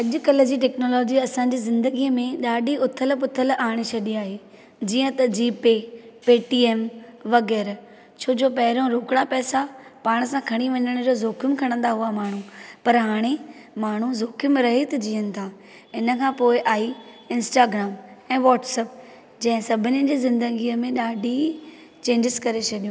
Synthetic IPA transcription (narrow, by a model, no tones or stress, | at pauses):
ɐʄʊ̆kɐld͡ʑiʈɛːknoːlɔːd͡ʑiɐsãd͡ʑiːzɪ̃nd̪əɡiəmẽɗaːɗiʊt̪ʰəlpʊt̪ʰəlaːɽ̃et͡ɕʰɐɗiaːɦeː | d͡ʑiːə̃t̪ɐd͡ʑiːpepeːʈiːeːmʋɐɣɛːɾ | t͡ɕʰoːd͡ʑoːpɐɦɪɾõɾoːkɪɽapɛːsapaːɽ̃əsãkʰɐɽ̃iʋɐɲəɽ̃ʊd͡ʑoːzoːkʰjʊmkʰɐɽ̃ə̃nd̪aɦuamaːɳ̤ũpɐɾɦaːɽ̃emaːɳ̤uzoːkʰɪmɾɐɦet̪ʰɐd͡ʑiːənɪ̆t̪ʰãː | ɪnə̆kʰãːpoːɪʔaːi | ɪ̃nsʈaːɡɾaːmɛ̃ːʋɔːʈsɛːp̚ | d͡ʑɐ̃ɦɪ̃sɐbʱɪnɪ̆d͡ʑeːzɪ̃nd̪əɡiːəmẽɗaːɖʱi | t͡ɕẽːɲd͡ʑɪskɐɾet͡ɕʰɐɗijũː